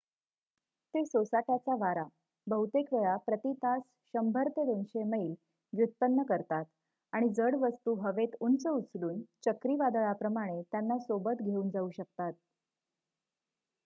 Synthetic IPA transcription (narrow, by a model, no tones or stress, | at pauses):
t̪esosaʈjat͡saʋaɾa | bəut̪ekʋeɭapɾət̪it̪as | ɕəmbʱəɾt̪ed̪onɕeməiːl | ʋjut̪̚pənːəkəɾt̪at̪ | aɽ̃id͡zəɽʋəst̪uːɦəʋet̪unt͡səut͡sluːnt͡ɕəkɾiʋad̪əɭapɾəmaɽ̃et̪janːasobət̪ɡʱeuːnd͡zauɕək̚t̪at̪̚